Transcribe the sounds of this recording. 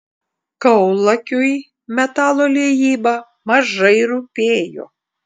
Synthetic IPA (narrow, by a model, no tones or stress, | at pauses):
kɐʊlˠɐkʲʊj | mʲɛt̪ɑːlˠoːlʲejiːbɐ | mɐʒɐɪɾupʲeːjo̰ː